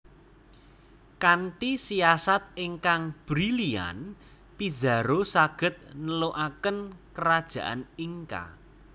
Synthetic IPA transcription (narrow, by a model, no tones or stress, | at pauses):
kanʈ̪isiasat̪̚eŋkaŋb̥ɾilia̰n | piza̤ɾosaɡ̥ə̤t̪̚nəloʔakənkəɾad̥ʒ̥ä̤ʔaniŋka̰